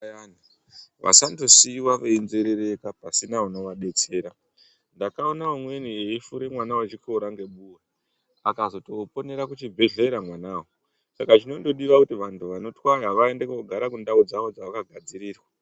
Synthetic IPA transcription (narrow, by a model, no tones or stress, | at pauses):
ani | ʋʔa̰sando̞siwaʋe̞inze̞ɾeɾe̞kapasinauno̞ʋaɗe̞t͡se̞ːɾa | ndakao̞naumwe̞nieifuɾemwanawat͡ʃiko̞ɾaŋɡe̞ɓuwe | akazo̞to̞po̞ne̞ɾakut͡ʃibʱe̞ɮeɾamwanaːwo | sakat͡ʃino̞ndo̞ɗiʋakutiʋantʰuʋano̞twaraʋae̞ndekoɡʱaɾakundaud͡zaʋo̞d͡zawakaɡʱad͡ziɾiːrwa